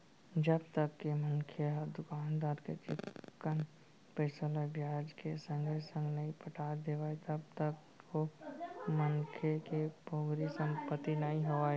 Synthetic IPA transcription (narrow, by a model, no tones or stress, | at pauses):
d͡ʒəb̚t̪əkːeməŋkʰeɦd̪ʊkaːnd̪aːɾket͡ʃɪt̪kən | pəsəlabjaːd͡ʒkesə̃ŋɡesə̃ŋɡnəĩpəʈʰaːd̪eːʋaːet̪əb̚t̪ək | ko | mənkʰekeboːɡɾisə̃ŋɡpət̪inəĩɦoaːe